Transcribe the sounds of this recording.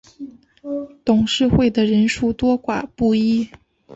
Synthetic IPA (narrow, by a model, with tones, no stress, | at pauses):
t̪ʊ˨˩ŋʂɻ̩˥˧xwe˥˩ɪd̪ə˩ɻə˧˥nʂu˥˩t̪wɔ˥kwa̰˨˩pu˥˩i˥